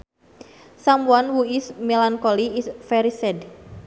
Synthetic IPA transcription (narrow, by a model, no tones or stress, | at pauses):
samwanwuismelaŋkoliisfɛɾisɛd